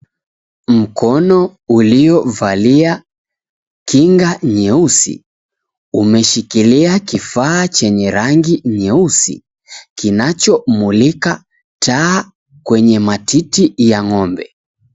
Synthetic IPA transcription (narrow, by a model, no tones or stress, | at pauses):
m̩kɔnɔuliɔvalia | kiŋɡaɲɛusḭ | umɛʃikiliakifaːt͡ʃɛɲɛɾaŋɡiɲɛusḭ | kinat͡ʃɔmulika | tʰaː | kwɛɲɛmatʰitijaŋɔmbɛ